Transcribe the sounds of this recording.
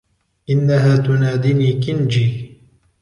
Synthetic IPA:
ʔɪnːaɦaːt̪ʊnaːd̪iːniːkɪnd͡ʒiː

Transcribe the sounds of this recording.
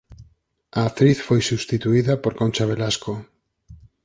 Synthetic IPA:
aat̪ɾiθfojsust̪it̪uiðapoɾkont͡ʃaβelasko

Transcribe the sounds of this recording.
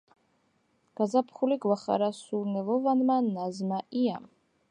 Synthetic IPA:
ɡ̥azapʰχuliɡwaχa̰ɾasuɾnɛvɔvanmanazmaʔia̰m

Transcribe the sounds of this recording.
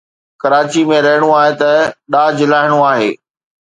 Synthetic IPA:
kɐɾaːt͡ɕimẽɾɐɦɪɽ̃oaːɦet̪ɐɗaːd͡ʑɪlaːɪɽ̃oaːɦeː

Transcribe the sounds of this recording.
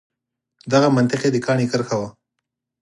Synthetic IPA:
d̪aɣamant̪ɪqed̪əkɑːɳikaɾxawa

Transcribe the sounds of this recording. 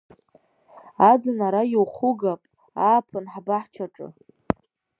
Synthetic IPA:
ad͡zɨnaɾajiwχʊɡapʼ | aːpʰɨnħabaħt͡ʃʷʰaʈ͡ʂʼɨ̰

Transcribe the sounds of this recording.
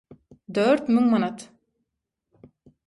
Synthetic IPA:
d̪øːɾt̪myŋmanɑt̪

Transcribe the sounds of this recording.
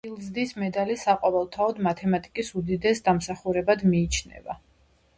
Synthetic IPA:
ilˠzd̪ismɛd̪alisaqʼɔvɛlˠt̪ʰaɔd̪mat̪ʰɛmat̪ʼikʼisud̪id̪ɛsd̪amsaχuɾɛbad̪miːt͡ʃʰnɛ̰va

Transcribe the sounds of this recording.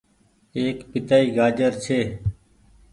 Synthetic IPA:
eːkpɪt̪aːiːɡaːd͡ʒəɾt͡ʃʰeː

